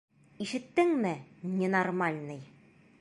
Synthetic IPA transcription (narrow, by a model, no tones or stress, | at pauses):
iʃɘ̆t̪ːɘŋmɘnʲenɐrmalʲnɤj